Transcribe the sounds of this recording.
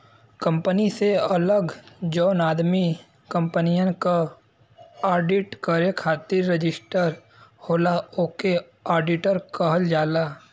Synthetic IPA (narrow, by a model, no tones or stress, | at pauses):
kə̃mpəniseɐləɡd͡ʒɔːnaːd̪mi | kə̃mpənijə̃nka | aːɾɖɪʈkəɾekʰaːt̪ɪɾːɪd͡ʒɪsʈəɾ | hoːlaoːke | aːɾɖɪʈəɾkəɦəld͡ʒaːlaː